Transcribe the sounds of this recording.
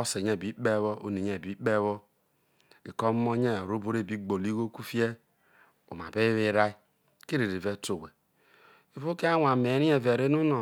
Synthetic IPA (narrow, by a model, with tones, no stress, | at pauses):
ɔ˦se˨ɲe˨bi˨˦k͡pe˦βo˦o˦ni˨ɲe˨bi˦k͡pe˦βɔ˦ | ɡi˨kɔ˦mo˦ɲe˦˨ɾo˦bo˦ɾe˦˨bi˦ɡ͡bo˨li˦ɡo˦ku˦fi˦e˦ | o̰˨m˨a̰˨be˦βi˦ɾa˦i˦ | ki˦ɾi˨ɾi˨ve˦to˨we˨ | e˨vo˦ke˦a˦wʷa˨me˨˦ɾi˦e˨ve˨ɾe˦nu˦no˨